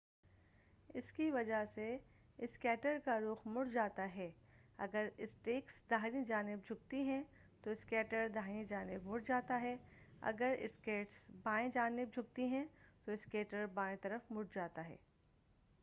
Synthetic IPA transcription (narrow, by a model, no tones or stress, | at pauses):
ɪ̰skiʋɐd͡ʒəɦse | ɪskɛːʈəɾkaɾʊːxmʊɽd͡ʒaːt̪aɦɛː | ɐ̰ɡəɾɪsʈeːksd̪ʱaːɾĩd͡ʒaːnɪb̚d͡ʒʱʊk̚t̪iɦɛ̃ | t̪oɪskɛːʈəɾd̪ʱaːɾĩd͡ʒaːnɪbmʊɽd͡ʒaːt̪aɦɛɐ̰ɡəɾɪ̰skeːʈsbãːẽd͡ʒaːnɪb̚d͡ʒʱʊk̚t̪iɦɛ̃t̪oɪskeːʈəɾbãːẽt̪ɐɾəfmʊɽd͡ʒaːt̪aɦɛ̰ː